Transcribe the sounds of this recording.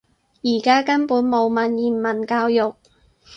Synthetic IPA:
jiː˨˩kaː˥kɐ˥npuː˨˥nmo˨˧wmɐ˨˧njiː˨˩nmɐ˨˩nkaː˧wjʊ˨˩k̚

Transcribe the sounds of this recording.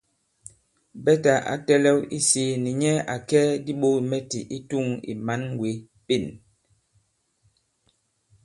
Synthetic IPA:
bɛ˦ta˨ʔa̰˨tɛ˦lɛ˦wi˦si˨˦ni˨ɲɛ˦a˨kɛː˦di˦ɓo˦i˨mɛ˦tḭ˨ʔi˦tu˦˨ŋḭ˨ma˨˦n˦ɡwe˨˦ | pe˦˨n

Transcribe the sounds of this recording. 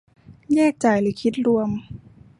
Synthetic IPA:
jɛː˥˩k̚t͡ɕa˨˩jlɯː˩˦kʰi˦˥t̪̚ɾu˧əm

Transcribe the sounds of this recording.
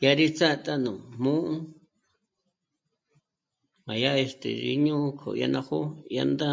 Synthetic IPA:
ja˧ɾi˦t͡sa˦˧t̪a˦˨nũ˨mũ˦ʔũ˦ | mã˨ja˦e˧st̪ḛ˨ɾḭ˧ɲũ˦kʰo̰˨ja˧nã˧ho˦ja̰˧nd̪ã˦

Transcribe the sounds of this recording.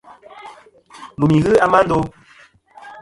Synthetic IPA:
lu˨mi˨ɣɨ˦a˦ma˦n̩˦do˦

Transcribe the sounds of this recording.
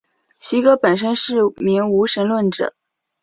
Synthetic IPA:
ɕi˧˥kɤ˧˥pə˨˩nʂ̬ə˥nʂɻ̩˥˩mi˧˥ŋu˧˥ʂə˧˥nlwə˥˩nʈ͡ʂɤ̰˨˩˦

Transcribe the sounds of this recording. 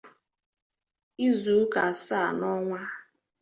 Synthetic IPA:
i˦zu˨˦ka˨a˨sa˦˨nɔ˦ŋʷa˦

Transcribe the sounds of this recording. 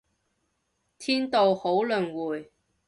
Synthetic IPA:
t̪ʰiː˥nt̪o˨who˨˥wlɵ˨˩nwuː˨˩j

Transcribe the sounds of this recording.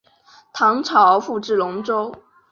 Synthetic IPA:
t̪ʰɑ˧˥ŋʈ͡ʂʰɑ˨˥ʊ˧fu˥˧ʈ͡ʂɻ̩˥˩lʊ˧˥ŋʈ͡ʂo˥ʊ

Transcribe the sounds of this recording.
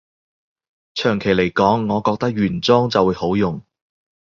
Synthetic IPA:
t͡ʃʰœː˨˩ŋkʰe˨˩jle˨˩jkɔː˨˥ŋːɔː˨˧kɔː˧k̚t̪ɐ˥k̚ɥyː˨˩nt͡sɔː˥ŋt͡sɐ˨wuː˨˧˥ho˨˥wjʊ˨ŋ

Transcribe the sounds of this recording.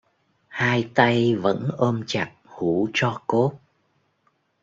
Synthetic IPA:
haː˧jt̪a˧jvə̰˧˥nʔəː˧mt͡ɕa˨˩k̚hu˧˩˦t͡ɕɔ˧ko˦˥t̚

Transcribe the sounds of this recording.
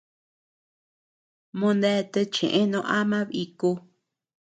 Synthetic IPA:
mõ˧nd̪e˦˧t̪e˧t͡ʃḛ̃˨ʔẽ˦nõ˧ʔa˦mã˦βi˧ku˧

